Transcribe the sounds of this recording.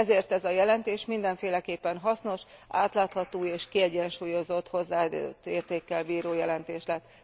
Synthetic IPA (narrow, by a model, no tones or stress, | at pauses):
ɛzeːrt̪ɛzɒjɛlɛnt̪eːʃmind̪ɛɱfeːlɛkeːpːɛnɦɒsno̞ʃʔa̰ːt̪laːt̪hɒt̪oːeːʃkiɛɟɛnʃuːjo̞zo̞t̪ho̞zːaːt̪ːeːrt̪eːkːɛlbiːɾoːjɛlɛnt̪eːʃlɛt̪ː